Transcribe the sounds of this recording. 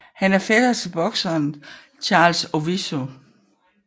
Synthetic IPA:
hænæɐfed̥ɐt͡sʰe̝b̥ɒ̽ɡ̥sɐːn | t͡ɕʰɑ̈ːlsoʋiso

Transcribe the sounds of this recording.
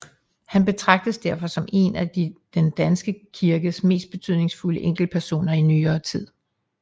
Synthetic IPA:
hænb̥e̝t͡sʰʁɑ̈ɡ̥̚d̥əsd̥æɐ̰fɒ̽sɒ̽me̝̰næd̥id̥end̥ænsɡ̥əkʰiɐɡ̥əsme̝̰ːsd̥b̥e̝t͡sʰy̰ð̰ˠne̝ŋsfuləʔeŋ̰ɡ̥l̩̚pʰæɐso̝̰ːnɐinyːɐːt͡sʰið̰ˠ

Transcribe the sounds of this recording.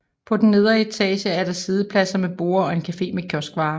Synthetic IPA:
pʰɒ̽d̥nne̝ð̞ˠɐet͡sʰɛ̰ːɕəæɐɾ̥ɑ̈siːð̞ˠəpʰlæsɐmeb̥o̝̰ːɐɒ̽e̝nkʰæfe̝̰ːmekʰjɒsɡ̥ʋɑ̈ː

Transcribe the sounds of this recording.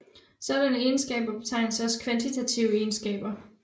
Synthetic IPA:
sɒ̽d̥ænəe̝nsɡ̥ɛ̰ːb̥ɐb̥e̝t͡sʰɑ̈ɪ̰nəsɒ̽sə̥kʰʋænt͡sʰit͡sʰæt͡sʰiʊe̝nsɡ̥ɛ̰ːb̥ɐ

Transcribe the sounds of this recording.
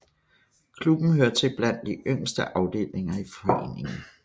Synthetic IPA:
kʰlub̥n̩ɦøɐt͡sʰe̝b̥læn̰d̥d̥iʔøŋ̰sd̥əʔɑ̈ʊd̥e̝̰ːle̝ŋɐifɒ̽e̝̰ːne̝ŋn̩

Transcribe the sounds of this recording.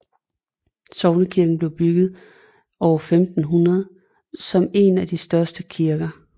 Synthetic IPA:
sɒʊnəkʰiɐɡ̥n̩b̥le̝ʊb̥yɡ̥ð̞̩ˠ | ɒʊɐfemd̥n̩ɦunɐð̞ˠ | sɒ̽me̝næd̥isd̥ɶɐsd̥əkʰiɐɡ̥ɐ

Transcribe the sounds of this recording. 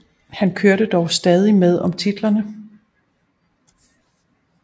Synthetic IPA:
hænkʰøɐɾəd̥ɒʊsd̥ɛːð̞ˠimeð̞ˠɒ̽mt͡sʰid̥lɐnə

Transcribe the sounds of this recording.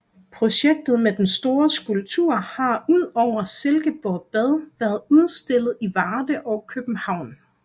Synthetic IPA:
pʰʁo̝ɕeɡ̥̚d̥ð̞̩ˠmed̥ensd̥o̝ːɐsɡ̥ulb̚t͡sʰṵɐ̰hɑ̈uð̞̰ˠɒʊ̰ɐselɡ̥əb̥ɒb̥ɛð̞ˠʋæːɐð̩ˠuð̞ˠsd̥e̝l̰ð̩ˠiʋɑːd̥əʔɒ̽ʊkʰøb̥n̩hɑ̈ʊ̰n

